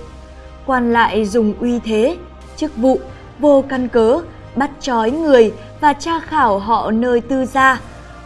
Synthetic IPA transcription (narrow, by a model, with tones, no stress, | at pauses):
kwaː˧nla̰ː˧˨jzʊ˨˩ŋ͡mʔwi˧t̪ʰe˨˦ | t͡ɕɨ˦˥k̚vṵ˧˨ | vo˧ka˧nkəː˨˦ | ɓa˦˥t̚t͡ɕɔ˨˦jŋɨ˨˩əj | vaː˨˩t͡ɕaː˧xaː˧˩wɦɔ̰˧˨nəː˧jt̪ɨ˧zaː˧